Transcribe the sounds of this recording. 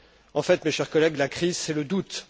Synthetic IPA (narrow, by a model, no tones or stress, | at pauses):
ɑ̃fɛt̪meʃɛʁkɔlɛɡlakχizsɛləd̪ut̪